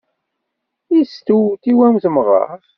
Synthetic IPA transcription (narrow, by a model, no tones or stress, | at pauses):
ist̪uwt̪iwæmθəmʁə̰f